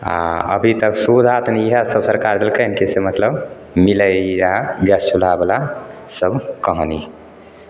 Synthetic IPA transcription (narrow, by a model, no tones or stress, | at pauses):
a̰ə̰bʱit̪əksud̪ʱat̪niiɦasəbsəɾkaɾd̪elkənkesemət̪ləb | miləjaɡəst͡ʃʰul̤abela | səbʱkəɦəni